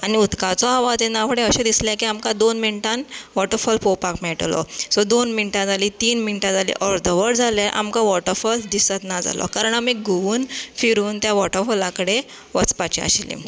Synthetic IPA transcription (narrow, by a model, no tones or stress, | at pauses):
aniut̪kat͡sɔaʋat̪enːafʰəɽẽəɕed̪islɛkiamkãd̪onminʈãnʋɔʈəɾfɔlpopakmɛʈlɔ̰sɔd̪onminʈãd͡zalit̪iːnminʈãd͡zalḭʔɔɾd̪ʱəʋəɽd͡zʱalɛʔa̰mkaʋɔʈəɾfɔld̪isət̪nad͡za̰lɔ̰kaɾəɳamiːɡʱoʋuːnfiɾuːnt̪jaʋɔʈəɾfɔlakəɽe | ʋət͡spat͡ɕia̰ɕlḭ